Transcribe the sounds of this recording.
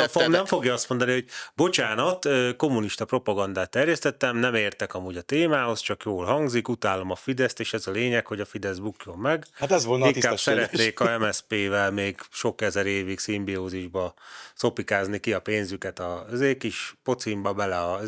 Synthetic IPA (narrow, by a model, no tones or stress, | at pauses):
fomnɛmfo̞ɡjɒɒst̪mo̞nd̪ɒniho̞ɟ̚bo̞t͡ʃaːnɒt̪øːko̞mːuniʃt̪ɒpro̞pɒɡɒnd̪aːt̪ːɛrjɛst̪ɛt̪ːɛmnɛmeːrt̪ɛkɒmuːɟɒt̪eːmaːɦo̞st͡ʃɒkjoːlɦɒŋɡzikut̪aːlo̞mɒfid̪ɛst̪eːʃɛzɒleːɲɛkho̞ɟɒfid̪ɛzbukjo̞mːɛɡhat̪ɛzʋolniiŋikḁːsɛɾɛt̪neːkkɒɛmɛspeːvɛlmeːɡʃo̞kɛzɛɾeːviksimbioːziʒbɒso̞pikaːznikiɒpeːnzykɛt̪ɒzeːkiʃpo̞t̪simbɒbɛlɛɒ